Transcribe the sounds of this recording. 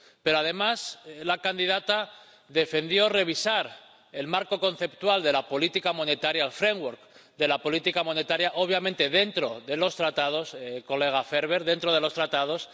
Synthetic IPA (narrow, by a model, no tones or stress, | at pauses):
peɾoaðe̞maslakand̪iðat̪a | ðe̞fe̞nd̪jo̞re̞β̞isaɾ | e̞lmaɾko̞ko̞n̟θe̞pt̪wald̪e̞lapo̞lit̪ikamo̞ne̞t̪aɾjaːlfɾeŋwoɾkd̪e̞lapo̞lit̪ikamõ̞ne̞t̪aɾjaʔo̞β̞jamẽnt̪e̞ðe̞nt̪ɾo̞ðe̞lo̞st̪ɾat̪að̞o̞sko̞le̞ɣ̞afe̞ɾβe̞ɾðe̞nt̪ɾo̞ð̞elo̞st̪ɾat̪að̞o̞s